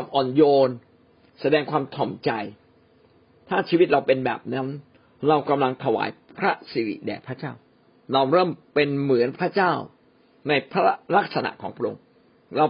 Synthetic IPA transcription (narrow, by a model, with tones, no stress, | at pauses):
a˧mʔɔː˨˩njoː˧n | sa˧dɛː˧ŋkʰwaː˧mt̪ʰɔ˨˩mt͡ɕa˧j | t̪ʰaː˥˩t͡ɕʰiː˧wi˦˥t̪̚ɾa˧wpe˧nbɛ̰ː˨˩p̚na˦˥n | ɾa˧wka˧mla˧ŋt̪ʰa˧wa̰ː˨˩˦jpʰɾa˦˥si˨˧˦ɾḭ˨˩dɛ̰ː˨˩pʰɾa˦˥t͡ɕaː˥˩w | ɾa˧wɾɤː˥˩mpe˧nmɯ˨˩˦ənpʰɾa˦˥t͡ɕaː˥˩w | na˧jpʰɾa˦˥ɾa˦˥k̚sa˧na̰˨˩ʔkʰɔː˩˦ŋpʰɾa˥ʔo̰˧ŋ | ɾa˧w